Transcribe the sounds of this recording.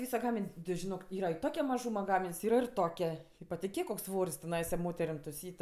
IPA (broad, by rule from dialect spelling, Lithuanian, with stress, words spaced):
ˈʋʲiːsɐ ˈɡɑːmʲɪnʲ tʲɪ ʒʲɪˈnoːk ˈiːrɐ ɪ ˈtoːkʲɛ mɐˈʒuːmɐ ˈɡɑːmʲɪnʲsʲ ˈiːrɐ ɪr ˈtoːkʲɛ pɐtʲɪˈkʲeːk koːks ˈsʋoːrʲsʲ tʲɛˈnɐɪsɐ ˈmoːtʲɛrʲɪm tʊˈsʲiːtʲ